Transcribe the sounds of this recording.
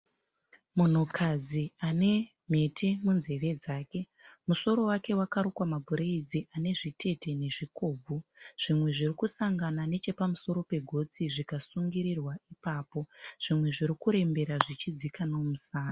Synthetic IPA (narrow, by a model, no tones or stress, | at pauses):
mun̤ukʰad͡ziane̞ | m̤e̞tʰe̞munze̞ʋe̞d͡zaːke̞ | muso̞ɾo̞wake̞wakaɾokwamabʱuɾeid͡ziʔane̞ʐitʰe̞te̞ne̞ʐiko̞ːb͡vʱuʐ̥imwe̞ʐirikusaŋɡanane̞t͡ʃe̞pamuso̞ɾo̞pe̞ɡʱo̞t͡siʐikasuŋɡiɾirwaipaːpo̞ʐ̥imwe̞ʐiɾikuɾe̞mbe̞ɾaʐit͡ʃid͡zikano̞musaːna